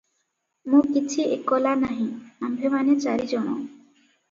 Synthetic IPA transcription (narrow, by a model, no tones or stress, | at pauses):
mũkit͡ʃʰiekɔlanaɦĩambʱemanet͡ʃaɾid͡ʒɔɽ̃ɔ̰